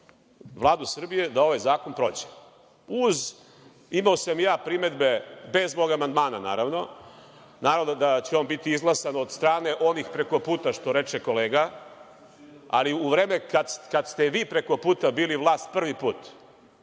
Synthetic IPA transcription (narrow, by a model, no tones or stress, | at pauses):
ʋlˠaːd̪usr̩bije̞d̪ao̞ʋajzaːko̞npɾo̞̰d͡ʑe̥ | uz | imaosamjaːpɾime̞d̪be̞be̞zmo̞ːɡamand̪maːnana̰ːɾaʋno̞ | naːɾaʋnod̪at͡ɕeonbit̪iizɡlˠasanod̪st̪ɾaːne̞ʔo̞nixpɾe̞ko̞puːt̪aʃt̪o̞ɾe̞t͡ʃeko̞leːɡa | a̰liuʋɾeːmekad̪skad̪st̪eʋiːpɾe̞ko̞puːt̪abiːliʋlˠaːst̪̚pr̩ʋipuːt̪